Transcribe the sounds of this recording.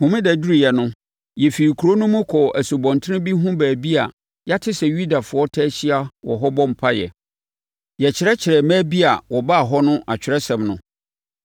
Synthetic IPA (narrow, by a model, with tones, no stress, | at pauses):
hʊ̃˨mɪ̃˦dɛ˨du˦ɾi˨jɛ˨nʊ̃˦ | jɛ˨fi˨i˨kʰu˨ɾo˦nʊ̃˦mʊ̃˦kʰɔ˨æ˨so˨bɔ̃˨ntʰɪ˦ɪ̃˦bi˦ɦʊ̃˦bæː˨bi˦a˨ | ja˦tʰɪ˦sɛ˨ju˦da˨fʊ˨ɔ˦tʰɛː˦ɕɪ˦a˦wɔ̰˨ɦɔ˦bɔ̃˦m̩˨pʰa˦jɛ̰˨ | jɛ˨t͡ɕʰɪ˨ɾɛ˦t͡ɕʰɪ˨ɾɛ˨mæ̃ː˦bi˦a˨wɔ˨ba˦˨ɦɔ˦nʊ̃˦ʔa˨t͡ɕᶣʰɪ˨ɾɛ˦sɛ̃˨mnʊ̃˨